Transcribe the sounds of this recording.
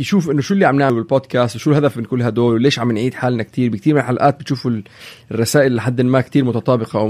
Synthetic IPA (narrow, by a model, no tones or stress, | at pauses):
jʃuːfʔɪnːʊʃulːiʕamnaʕalbɪlboːd̪kæːst̪wʃuːlɦad̪æfbɪnkulːɦæd̪oːlwleːʃʕamːnʕiːd̪ħaːlnæk̚t̪iːɾbɪk̚t̪iːɾmɪnelħalʔaːt̪bɪt̪ʃuːfurːˤɑsaːʔɪlːħad̪ːɪnmaːkt̪iːɾmʊt̪ɑt̪ˤɑːbɪqɑ